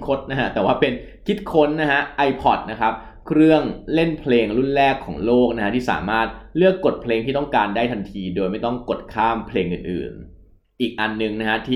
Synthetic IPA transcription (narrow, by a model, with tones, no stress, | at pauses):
kʰo˦˥t̪̚na˦˥ka˦˥t̪ɛː˨˩waː˥˩pe˧n | kʰi˦˥t̪̚kʰo˦˥nːa˦˥ha˦˥ʔa˧jpʰɔ˨˩t̪̚na˦˥kʰɾa˦˥p̚ | kʰɾɯ˥˩əŋle˥˩npʰleː˧ŋɾu˥˩nlɛː˥˩kʰːɔ̰ː˩˦ŋloː˥˩k̚na˦˥ha˦˥t̪ʰiː˥˩sa̰ː˩˦maː˥˩t̪̚lɯ˥˩əkːo˨˩t̪̚pʰleː˧ŋʰiː˥˩t̪ɔ˥˩ŋkaː˧ndaː˥˩jt̪ʰa˧nt̪ʰiː˧doː˧jma˥˩jt̪ɔ˥˩ŋko˨˩t̪̚kʰaː˥˩mpʰleː˧ŋʔɯ̰ː˨˩nʔɯ̰ː˨˩n | ʔiː˨˩k̚ʔa˧nːɯ˨ŋna˦˥kʰa˦˥t̪ʰiː˥˩